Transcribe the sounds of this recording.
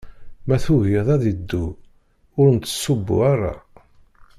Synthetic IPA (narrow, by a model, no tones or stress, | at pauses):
mæθʊɣɪðˤæðid̪ːu | ʊɾənt̪ːə̥sːʊbːṵaɾa̰